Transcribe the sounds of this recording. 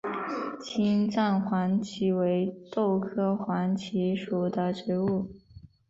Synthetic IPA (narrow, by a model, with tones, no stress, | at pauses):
t͡ɕʰi˥nʈ͡ʂa˥˩nxwa˧˥nt͡ɕʰi˧˥we˧˥ɪt̪o˥˩ʊkʰɤ˥xwa˧˥nt͡ɕʰi˧˥ʂu˨˩d̪ə˦ʈ͡ʂi˧˥u˥˩